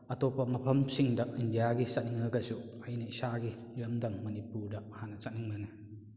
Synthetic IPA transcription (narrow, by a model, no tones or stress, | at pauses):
ʔɐt̪ɔpɐmɐpʰɐmsiŋdaʔʔindijaɡisaʔniŋaɡɐsuɐjnaisaɡi | liəmdɐŋmɐnipudaʔhanɐt͡saʔniŋmanɐ